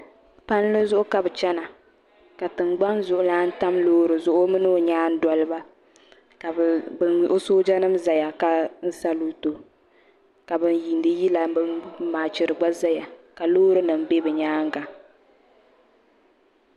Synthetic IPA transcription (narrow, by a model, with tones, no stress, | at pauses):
pa˦n˦lɨ˦zʊ˦ʔʊ˦ka˨bɨ˨t͡ʃɛ˦na˨ | ka˨tɨ˨ŋ͡mɡ͡ba˦nzʊ˨ʔʊ˨˦laː˦n̩˦ta˦mloː˦ɾɨ˨zʊ˦ʔʊ˦mɨ˦nɨ˦o˨ɲaː˦n̩˦da˨lɨ˦ba˦ | ka˨bɨ˨nʔo˦soː˦d͡ʒa˦nɨ˦mza˨ja˨ka˦n̩˦sa˦lu˦to˨ | ka˨bɨ˦nji˨ndɨ˦ji˦la˨bɨ˦maː˨t͡ʃɪ˨ɾɨ˨ɡ͡ba˦za˦ja˨ka˨loː˦ɾɨ˦nɨ˨mbe˦bɨ˨ɲaː˦ŋ˦ɡa˨